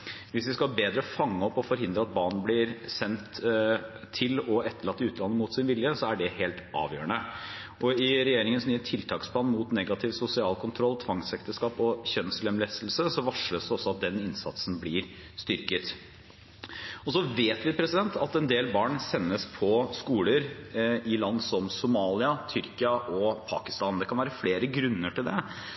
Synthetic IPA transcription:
ʋɪsʋɪskɑlbeːd̪ɾəfɑŋːəɔpːɔfɔɾɦɪnd̪ɾəɑt̪̚bɑːɳɳ̩blɪɾsɛnt̪ʰː | ɪlɔɛt̪ʰːəɭɑt̪ːəʉːt̪lɑnːəmʊt̪sɪnʋɪljəsɔæɖɛheːlt̪ʔɑ̰ːʋjøːəɳə | ʔɔɪɾɛjeːɾɪŋənsnyːət̪ʰɪlt̪ʰɑːkspʰlɑːnmut̪nɛɡɑt̪ʰɪʋsʊsɪɑːlkʰʊnt̪ʰɾɔlt̪ʰʋɑŋsɛkt̪əʂkɑːpɔçœnslɛmlɛst̪l̩səsɔʋɑʂəsd̪ɛɔsːɔɑt̪̚d̪ɛnɪnsɑ̰t̪sn̩blɪɾ | st̪ʏɾkət̪ | ɔsɔʋeːt̪ʋɪpʰɾɛsɪd̪ɛnt̪ʰɑt̪ɛnd̪eːlbɑːɳsɛnːəspʰɔskuːləɾɪlɑnd̪sɔmsʊmɑːlɪɑt̪ʰʏɾkɪɑʔɔpʰɑːkɪst̪ɑːnd̪ɛkʰɑnʋæːɾəfleːɾəɡɾʉnːəʈɪld̪ɛ

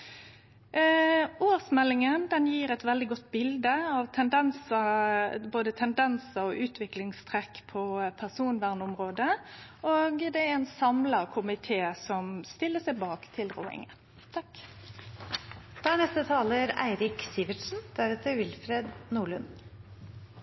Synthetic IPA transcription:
oːʁsmɛlːɪŋənd̪ɛnjiːɾɛt̪ʋɛld̪ɪɡɔt̪ːbɪld̪əɑʋt̪ʰɛnd̪ɛnsɑboːd̪ət̪ʰɛnd̪ɛnsəɔʔʉːt̪ʰʋɪklɪŋst̪ʰʁɛkːpʰɔpʰæʁsuːnʋæʁnʊmʁoːd̪əoːɡd̪ɛæɾɛnsɑmlɑʁkʰʊmɪt̪ʰeːsɔmst̪ɪlːəsæɪbɑːkt̪ʰɪlʁo̰ːɪ̰ŋə̰n | t̪ʰɑk | d̪̥ɑːæɳɛst̪ət̪ʰɑːləɾæ̰ɪɾɪksiːʋəʈʂn̩d̪̥æɾeːt̪əɾʋɪlfɾeːd̪nuːɭʉn

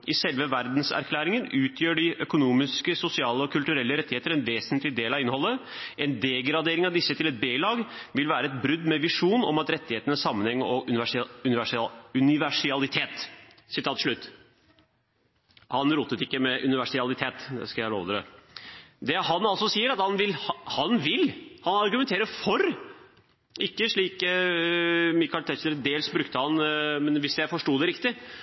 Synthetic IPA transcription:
ʔɪsɛlʋəʋæɾd̪n̩sæ̰ɾkʰlæːɾɪŋənʔʉːt̪ʰjøːɖɪʔœkʊnuːmɪskəsʊsɪɑːləɔkʰʉlt̪ʉɾɛlːəɾɛt̪ːɪheːt̪əɾɛnʋeːsnt̪lɪd̪eːlɑʋɪnːhɔlːəɛnd̪ɛɡɾɑd̪eːɾɪŋɑʋd̪ɪsːət̪ʰɪlɛt̪̚beːlɑːɡʋɪlʋæːɾəɛt̪̚bɾʏd̪mɛʋɪʂuːnɔ̰mɑt̪ɾɛt̪ːɪheːt̪ənəsːɑmːənhɛŋːəɾɔ | ʉnɪʋæʂɪɑlɪt̪ʰeːt̪ | sɪt̪ʰɑːt̪ʂɭʉt̪ː | hɑnɾuːt̪ːət̪ɪkːəmɛʔʉnɪʋæʂɪɑlɪt̪ʰeːt̪d̪ɛ̰skɑæɑlo̰ːʋt̪ɾə̰ | d̪ɛhɑnɑlsɔsiːəɾɑt̪hɑnʋɪlhɑnʋɪlhɑnɑɾɡʉmɛnt̪ʰeːɾəfɔɾ | ɪkːəʂɭiːk | mɪkɑlt̪ʰɛçləɾd̪eːlsbɾʉkt̪əhɑnmɛnʋɪsjæɪfɔʂʈuːd̪ɛɾɪkt̪ɪ

